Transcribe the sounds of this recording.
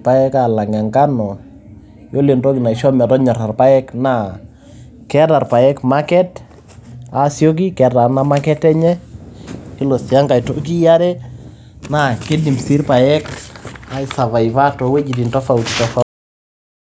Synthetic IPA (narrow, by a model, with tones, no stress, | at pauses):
pa˦jɛ˦ka˨la˨ŋa˨ŋɡa˦nɔ˨ | jo˦le˨ntɔ˦ki˨na˨iʃɔ˦m˨a˨tɔ˦ɲa˨ɾa˨rpa˦ɛ˦kna˦˨ | kɛ˦ɾa˨rpa˨jɛ˦kmakɛ˦t | a˨sjo˦k̬i˦kɛ˨da˨na˦ma˦kɛ˦tɛ˦ɲɛ˦ | i˦lo˨si˨a˦ŋɡa˨i˨to˦k̬i˦ja˦ɾɛ˦ | na˨ke˦di˨msi˦ɾpa˨jɛ˦ka˨i˨sa˨βa˨i˨βa˦tɔ˨we˦d͡ʒi˨ti˨ntɔ˦fa˦u˨ti˨tɔ˦fa